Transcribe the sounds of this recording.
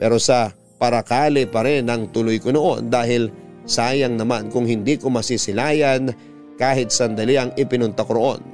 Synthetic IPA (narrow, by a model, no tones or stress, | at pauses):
pɛːɾo̞sɐ | pɐɾɐkaːlɪpɐɾɛnɐŋt̪ʊlojkonoʔo̞̰nd̪aːɦɪl | saːjɐŋnɐmankʊŋhɪnd̪iːkomɐsɪsɪlaːjɐn | kaːhɪt̪̚sɐnd̪ɐliʔɐŋʔɪpɪnʊnt̪akoɾoʔo̞̰n